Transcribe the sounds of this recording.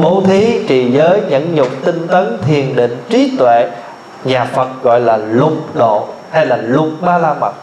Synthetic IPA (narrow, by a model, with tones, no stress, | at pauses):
ɓo˧˦t̪ʰi˨˦t͡ɕḭ˧˨zəː˨˦jɲə̰˧˥nɲʊ˨˩k͡p̚t̪ï˧ŋt̪ə˨˦nt̪ʰi˨˩ənɗḭ˧˨ŋ̟t͡ɕi˨˦t̪wḛ˧˨ | ɲaː˨˩fə˨˩t̚ɣɔ̰˧˨jlaː˨˩lʊ˨˩k͡p̚ɗo̰˧˨ha˧jlaː˨˩lʊ˨˩k͡p̚ɓaː˧laː˧ma˨˩t̚